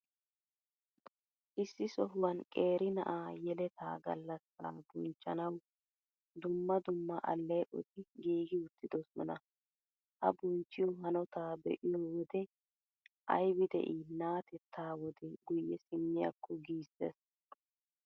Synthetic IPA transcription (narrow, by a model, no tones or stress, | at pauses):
ʔɪsːɪsɔhʊwɐnkʼe̞ːɾɪnɐ̰ʔaːjɛlɛt̪ʰaːɡɐ̰lːɐsɐɾa̰bʊnt͡ʃːɐnɐw | d̪ʊmːɐd̪ʊmːɐʔɐ̰lːɛjʔɔ̰t̪ɪɡiːɡɪʊt̪ːɪd̪ɔsɔ̰nɐ | hɐ̰bʊnt͡ʃːɪjɔɦɐnɔt̪aːbɛ̰ʔɪjɔwɔd̪ɛ | ʔɐ̰jbɪd̪ɛ̰ʔinaːt̪ʰɛt̪ʰːaːwɔd̪ɛɡʊjːɛsɪmːɪjɐ̰kːɔɡiːsːɛs